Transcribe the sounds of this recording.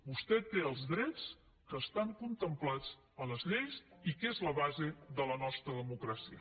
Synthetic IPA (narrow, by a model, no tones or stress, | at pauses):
bust̪ɛt̪eəlˠzðɾɛt͡s | kəːst̪aŋkunt̪əmplat͡s | ələzʎeʎzikezləβazeðələnɔst̪ɾəðəmukɾasiə̰